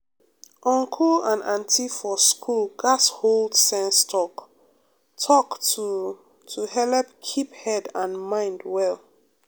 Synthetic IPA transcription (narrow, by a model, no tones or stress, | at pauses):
ʔɔ̃ŋkʰɔlãnãntʰifɔskʰulɡasholdsɛ̃nstʰɔk | tʰɔktu | tʰuhɛlɛpkʰiphɛdãnmãɪ̃ndwɛl